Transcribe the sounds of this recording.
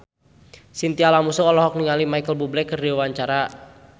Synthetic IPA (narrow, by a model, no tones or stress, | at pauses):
sint̪ialamusuɔlɔɦɔk̚niŋalimaikəlbublɛkːərdiwaɲt͡ʃaɾa